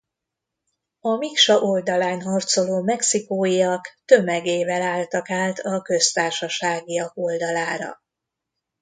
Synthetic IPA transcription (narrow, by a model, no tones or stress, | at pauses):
ɒmikʃɒʔo̞ld̪ɒlaːnɦɒrt̪so̞loːmɛksikoːjijɒkt̪ø̞mɛɡeːvɛlaːlt̪ɒkaːlt̪ɒkø̞st̪aːrʃɒʃaːɡijɒko̞ld̪ɒlaːɾɒ̰